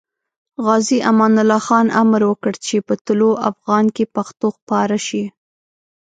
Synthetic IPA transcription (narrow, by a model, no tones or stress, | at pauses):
ɣɑziʔamɑnʊlɑxɑnʔamɾwəkəɽt͡ʃepət̪ʊloʔafɣɑnkepaxt̪oxpɑɾaʃi